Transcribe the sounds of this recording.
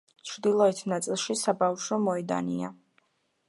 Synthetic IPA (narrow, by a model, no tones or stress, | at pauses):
t͡ʃʰɾd̪ilˠɔɛt̪ʰnat̪sʼilˠʃisabafʃɔmɔɛd̪a̰nḭa̰